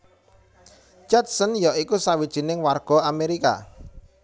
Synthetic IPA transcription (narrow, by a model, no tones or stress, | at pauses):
d͡ʒat̪sənjɔʔikusawid̥ʒ̥i̤nɪŋwarɡ̥ɔ̤ameɾika̰